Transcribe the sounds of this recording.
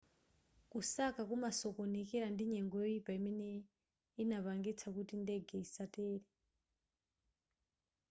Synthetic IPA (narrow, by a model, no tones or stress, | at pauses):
kusakakumasɔkonekɛɾandiɲɛŋɡɔjoipaimɛnɛ | inaβaŋɡit͡sʰakutindɛɡʱɛisatɛːɾɛ